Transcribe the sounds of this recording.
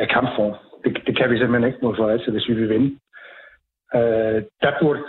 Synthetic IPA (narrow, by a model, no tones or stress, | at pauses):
ækʰɑ̈mb̥fɒ̰ːnd̥e̝d̥e̝kʰæʋis̬emə̥heneɡ̥ə̥moðˠfɒɛd̥sʰeʋe̝sʋiʋe̝ʋenə | ød̥ɑb̥uɐ̰d̥